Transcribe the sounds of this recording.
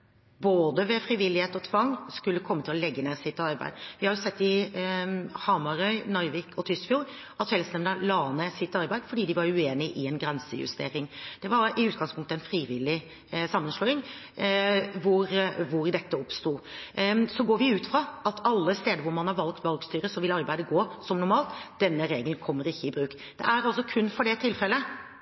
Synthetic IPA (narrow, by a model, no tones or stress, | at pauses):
boːd̪əʋɛfɾiʋɪlɪheːt̪ɔt̪ʰʋɑŋːskʉlːəkʰɔmːət̪ʰɪlɔlɛɡːəneːʁsɪt̪ɑɾbæ̰ɪd̪ʋɪhɑɾjʊsɛt̪ːɪ | hɑmɑɾœʏnɔɾʋɪːkʰɔt̪ʰʏskfjuːɾ | ɑt̪fɛlsnɛmnəlɑːnəsɪt̪ːɑɾbæɪd̪fɔɖiːd̪ɪʋɑɾʉeːnɪʔɪɛnɡɾɛnsəjʉ̰st̪ḛːɾɪŋd̪̥ɛʋɑɾɪʉːt̪ɡɑŋspʰʊŋk̚t̪əɛnfɾiːʋɪlːɪ | sɑmːənʂlɔːɪŋ | ʋʊɾʋʊɾd̪ɛt̪ːəɔpst̪uː | sɔɡoːɾʋɪʉːt̪fɾɑʔɑt̪ʰɑlːəst̪eːd̪əɾʋʊɾmɑnhɑɾʋɑlɡt̪ʋɑlɡst̪yːɾəsɔʋɪlɑɾbæɪd̪əɡoːsɔmnʊɾmɑːlt̪d̥̪ɛnːəɾeːɡəlnkʰɔmːəɾɪçːəɪbɾʉːk | d̪̥ɛ̰æɾɑlsɔkʰʉnːfɔɖɛt̪ʰɪlfɛlːə